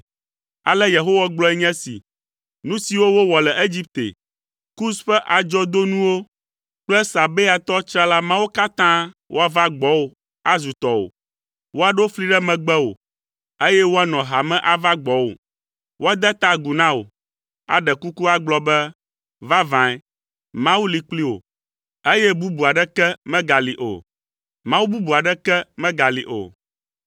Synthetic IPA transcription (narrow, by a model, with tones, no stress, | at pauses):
a̰˨lɛ˦je˨ɦo˦wa˦ɡ͡blɔ˦ɛ˦ɲɛ̃˦sḭ˨ | nũ˦si˨wo˦wo˦wɔ˨lɛ˨e˦d͡ʑi˦p̚t̪ḛ˨ | ku˦sɸɛ˦ʔa˨d͡ʒɔ˦d̪o˦nũ˦wo˦ | k͡plɛ˦sa˨be˦a˨t̪ɔ˦t͡ʃɾa˦la˦mã˦wo˦ka˦t̪ã˦wʔo̰˦a˦˨va˦ɡ͡bɔ˨˦wo˨ | a˦zu˨t̪ɔ˨o̰˨ | wo˦a˨ɖo˦fli˦ɖɛ˦mɛ̃˨ɡ͡bɛ˦wo̰˨ | e˦jɛ˦wo˦a˦nɔ̃˨ɦa˨mɛ̃˦ʔa˨va˦ɡ͡bɔ˨˦wo̰˨ | wo˦a˦d̪ɛ˦t̪a˦ɡu˨nã˦wo̰˨ | a̰˨ɖɛ˨ku˦ku˦a˦ɡ͡blɔ˦bɛ˦ | va˦vã˨ɛ˦ | mã˦wu˦li˨k͡pli˦wo̰˨ | e˦jɛ˦bu˦bu˨a˨ɖɛ˦kɛ˦mɛ̃˦ɡa˨li˨ʔo̰˨ | mã˦wu˦bu˦bu˨a˨ɖɛ˦kɛ˦mɛ̃˦ɡa˨li˨ʔo̰˨